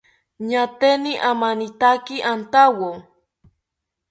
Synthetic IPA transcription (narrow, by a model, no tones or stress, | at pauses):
ɲat̪eniʔamanit̪akiʔant̪awo